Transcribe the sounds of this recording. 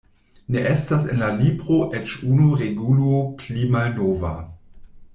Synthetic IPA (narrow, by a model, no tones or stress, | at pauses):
neʔestasenlalibʁoʔet͡ʃunuʁeɡuloplimalnoːva̰